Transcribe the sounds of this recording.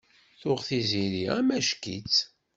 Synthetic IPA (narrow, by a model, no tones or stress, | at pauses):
θʊʁθiziɾiʁæmæʃkḭt͡s